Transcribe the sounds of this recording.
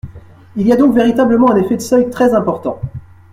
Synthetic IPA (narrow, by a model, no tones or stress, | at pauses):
iliad̪ɔ̃kveʁit̪abləmɑ̃ɛ̃nefɛd̪əsœjt̪χɛzɛ̃pɔʁt̪ɑ̃